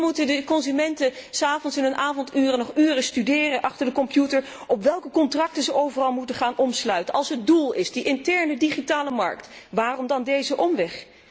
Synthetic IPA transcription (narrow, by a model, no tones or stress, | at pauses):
mutədəkɔnzymɛntəsaːvɔnsɪnɦɵnʔaːvɔntyːrənɔχyːrəstydɪːrənʔɑχtəɹdəkɔmpjutəɹ | ʔɔpʋɛlˠkəkɔntrɑk̚təzəʔowvərɑlˠmutəχaːnʔɔmslœɥtənʔɑlˠsɦət̚dulˠɪsdiʔɪntɛɹnədiχitaːləmɑ̰ɹktʋaːrɔmdɑndejzəʔɔmʋɛχ